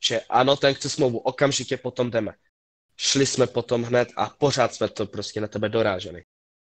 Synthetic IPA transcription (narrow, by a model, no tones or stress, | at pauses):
t͡ʃɛʔano̞t̪ɛnkt͡sɛsmlowvuʔokamʒɪcɛpo̞t̪o̞mdɛmɛ | ʃlɪsmɛpo̞t̪o̞mɦnɛt̪a̰po̞r̝aːt̪smɛt̪opɾo̞scɛnat̪ɛbɛdo̞ɾa̰ːʒɛnɪ̰